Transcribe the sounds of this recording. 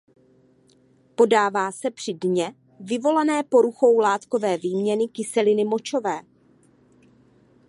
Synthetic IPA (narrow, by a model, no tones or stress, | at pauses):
po̞daːvaːsɛpr̥ɪdɲɛ | vɪvo̞lanɛːpo̞ɾuxo̞wlaːt̪ko̞vɛːviːmɲɛnɪkɪsɛlɪnɪmo̞t͡ʃo̞vɛː